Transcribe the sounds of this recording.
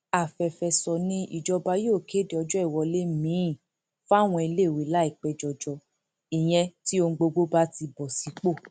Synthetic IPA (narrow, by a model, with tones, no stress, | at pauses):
a˨fɛ˨fɛ˨sɔ˨nĩ˧ʔḭ˨d͡ʒɔ˧ba˧jo˦˨ke˦de˨ɔ˧d͡ʒɔ˦i˦˨wɔ˧le˦mĩ˨˦˨ | fa˦˨w̃ɔ̃˧i˧le˦˨we˨la˨˦i˦˨k͡pɛ˧˨d͡ʒɔ˨d͡ʒɔ˧ | i˨j̃ɛ̃˧ti˦o˧ŋ̩˧ɡ͡bo˧ɡ͡bo˦ba˦ti˧bɔ˨si˨˦k͡po˦˨